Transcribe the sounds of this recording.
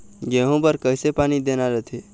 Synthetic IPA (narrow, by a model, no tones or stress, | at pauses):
ɡeːɦõpəɾkəɪsepaːnid̪enaɾət̪ʰe